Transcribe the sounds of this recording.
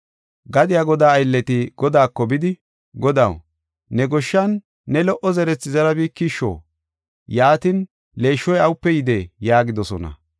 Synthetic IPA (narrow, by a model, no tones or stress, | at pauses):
ɡɐd̪ɪjaɡɔd̪aːjlːɛt̪ɪɡ̥ɔd̪aːkːɔbɪd̪ɪ | ɡɔd̪ɐ̰w | nɛɡɔʃːɐnː | ɛlɔʔɔzɛɾɛt͡sːɪzɐɾɐbiːkːiʃːo̰ː | jaːt̪ɪn | le̞ːʃːɔjɐwʊpːɛjɪd̪eːjaːɡɪd̪ɔsɔ̰nɐ̰